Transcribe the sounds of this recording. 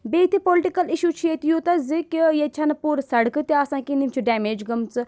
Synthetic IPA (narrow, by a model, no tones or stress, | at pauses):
beːt̪ʰepoːlɪʈikɐliʃuːt͡ʃʰieːt̪ijut̪ɐzikjet͡ʃʰɐnɐpuːɾsɐɽkɨt̪eaːsãːkinimt͡ʃʰuɖɛːmeːd͡ʒɡɐmt͡sɨ